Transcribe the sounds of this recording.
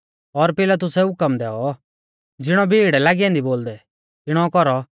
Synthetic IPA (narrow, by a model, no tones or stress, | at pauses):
ɔɾpɪlat̪̬ʊsɛɦʊkəmd̪ɛːɔ | d͡zɪɽ̃ɔbʱiːɽɛlaːɡiãːnd̪iboːld̪ɛ | t̪ɪɽ̃ɔkɔɾɔ